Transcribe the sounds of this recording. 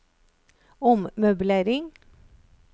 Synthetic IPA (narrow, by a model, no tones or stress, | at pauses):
ɔmmœbleːɾɪŋ